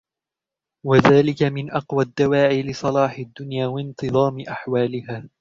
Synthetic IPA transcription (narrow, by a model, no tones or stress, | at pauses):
waðaːlɪkamɪnʔɑqwad̪ːawaːʕiːlɪsˤɑlɑːħɪd̪ːʊnjaːwɑnt̪ɨðˤɑːmɪʔaħwaːlɪhaː